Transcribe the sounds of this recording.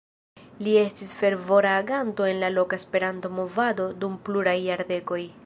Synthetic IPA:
lie̞stisfe̞ɾvo̞ɾaːɡanto̞e̞nlalo̞kaespe̞ɾanto̞mo̞vado̞dumpluɾajːaɾde̞ko̞j

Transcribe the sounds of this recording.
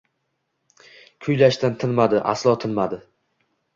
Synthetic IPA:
kʰʊjlaʃt̪ant̪ʰɪnmad̪ɪʔa̰slˠɒt̪ʰɪnmad̪ɪ

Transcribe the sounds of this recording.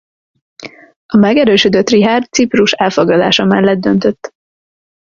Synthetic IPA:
ɒmɛɡɛɾøːʃød̪øt̪riɦaːrt̪sipruʃɛlfoɡlɒd̪a̰ːʃɒmɛlːɛd̪̚d̪ːønt̪ø̞t̪ː

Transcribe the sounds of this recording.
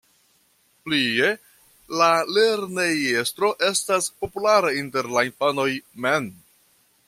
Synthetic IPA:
plie̞ | lale̞ɾneje̞stɾo̞ʔe̞staspo̞pulaɾainte̞ɾlainfano̞jmen

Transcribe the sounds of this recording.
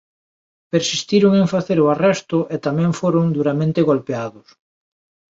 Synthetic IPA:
peɾsist̪iɾʊŋeŋfaθeɾʊarɛst̪ʊʔet̪amɛ̃ŋfoɾʊŋd̪uɾamẽnt̪eɣolpeaðʊs

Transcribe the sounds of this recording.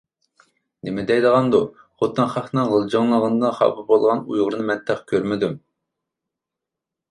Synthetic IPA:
nɪmɪd̪ɛjd̪əʁɑnd̪u | χot̪ʰːɨnχɑχnɨŋʁəlˠd͡ʒɑŋlˠəʁənd̪ɑχɑ̰bɨbolˠʁɑnṵjʁəɾɨnɨmɛnt̪ʰɛχkʲʰøɾmɪd̪ym

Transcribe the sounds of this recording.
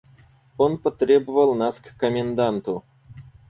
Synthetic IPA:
onpət̪ɾʲebəvəlˠnaskːəmʲɪnd̪ant̪ʊ

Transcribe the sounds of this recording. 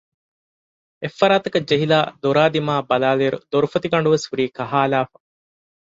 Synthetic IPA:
efːɐɾaːt̪ɐkɐd͡ʒeɦilaːd̪oɾaːd̪imaːbɐlaːleːɾṵd̪oɾufɐt̪iɡɐɳ̆ɖuʋeshuɾiːkɐɦaːlaːfɐ

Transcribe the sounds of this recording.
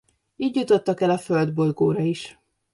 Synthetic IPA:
iːɟjut̪o̞t̪ːɒkɛlɒføld̪bo̞lɡoːɾɒiʃ

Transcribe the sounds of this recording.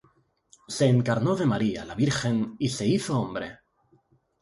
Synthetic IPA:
se̞ːŋkaɾno̞ðe̞maɾia̰laβiɾxe̞nise̞iθoombɾe̞̰

